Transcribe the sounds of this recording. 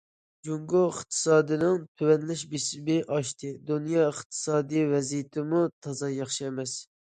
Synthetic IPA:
d͡ʒuŋɡoəχt̪ʰɨ̥sɑːd̪ɨnɪŋt̪ʰywɛnlɪʃbisɪbɪʔɑʃt̪ʰɨd̪unjɑəχt̪ʰɨ̥sɑːd̪ijvɛzijɪt̪ʰɪmut̪ʰɑzɑjɑχʃiɛmɛs

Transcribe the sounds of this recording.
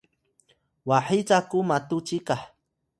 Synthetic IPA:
waħit͡sakʊmat̪ʊt͡ʃikaħ

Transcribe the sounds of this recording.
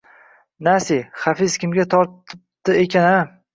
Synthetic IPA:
nasiχafɪzkʲɪmɡʲat̪ʰɒɾt̪ɪp̚t̪ɪekʲʰana

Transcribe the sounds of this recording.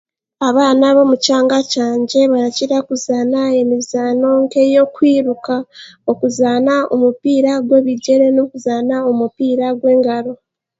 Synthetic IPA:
aβaːnaβo̞mucaːŋɡacaːɲɟe̞βaɾaciɾakuzaːnae̞mizaːno̞ːŋke̞jo̞kwiːɾukaokuzaːnaomupiːɾaɡwe̞ːβiɟe̞ɾe̞no̞kuzaːnaomupiːɾaɡwe̞ːŋɡaɾo̞

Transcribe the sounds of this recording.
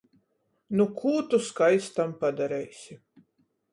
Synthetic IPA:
nukʰuːt̪uskajst̪ampad̪aɾɛjsʲi

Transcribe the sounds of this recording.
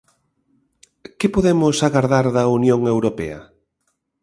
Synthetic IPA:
kɪpoðemʊsaɣaɾðaɾðɐunjoŋewɾopɛ̰ɐ̰

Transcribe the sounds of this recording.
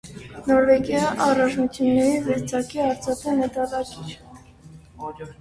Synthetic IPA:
nɔɾvɛɡjɑʔɑrɑt͡ʃʰnut͡sʰjunːɛɾizɛɾt͡sʰɑkiɑɾt͡sʰɑt̪ɛnət̪ɑlɑkit͡ʃ

